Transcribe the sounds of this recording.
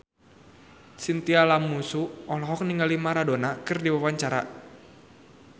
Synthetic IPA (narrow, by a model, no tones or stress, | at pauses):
sint̪ialamusuɔlɔɦɔk̚niŋɡalimaɾadonakɨrdiwawaɲt͡ʃaɾa̰